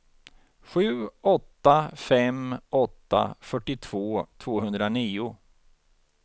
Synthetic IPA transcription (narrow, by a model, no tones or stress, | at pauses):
ɧʉ̟ːɔt̪ːafɛmɔt̪ːa̰fœʈːɪt̪ʰv̥oːt̪ʰvoːɦɵnd̪ɾaniːʊ